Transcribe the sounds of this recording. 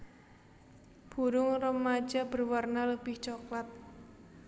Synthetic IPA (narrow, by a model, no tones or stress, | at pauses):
b̥uɾʊŋrəmːḁd͡ʒab̥ərwarnaləb̥ɪht͡ʃɔklat̪̚